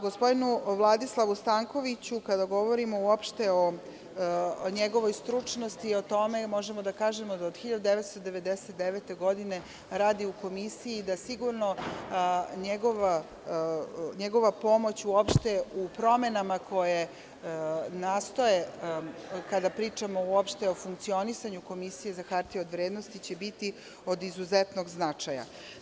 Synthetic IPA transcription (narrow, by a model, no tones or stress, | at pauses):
ɡo̞spo̞d̪inuʋlˠad̪islˠaʋust̪aŋko̞ʋit͡ɕukad̪aɡo̞ʋo̞ɾimo̞uopʃt̪e̞o̞ | ɲeɡo̞ʋo̞jst̪ɾut͡ʃno̞st̪io̞t̪o̞me̞mo̞ʒemo̞d̪akaːʒemod̪aod̪xiʎad̪ud̪e̞ʋet̪st̪od̪e̞ʋe̞d̪eset̪̚d̪eʋet̪e̞ɡo̞d̪ine̞ | ɾaːd̪iuko̞misiiːd̪asiɡuɾno̞ | ɲeɡo̞ʋa | ɲeɡo̞ʋapo̞mo̞t͡ɕuopʃt̪eupɾo̞me̞namako̞je | naːst̪o̞je̞ | kad̪apɾiːt͡ʂamo̞uopʃt̪eo̞fuŋkt̪sio̞nisaɲuko̞misije̞zaxaɾt̪iod̪ʋɾeːd̪nost̪it͡ɕe̞bit̪i | o̞d̪izuzet̪no̞ɡznat͡ʂaja̰